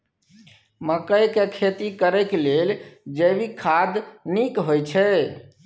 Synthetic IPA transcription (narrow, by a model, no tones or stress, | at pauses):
məkəjkekʰet̪ikəɾɛkleld͡ʒəbikʰad̪nikɦojt͡ʃʰɛ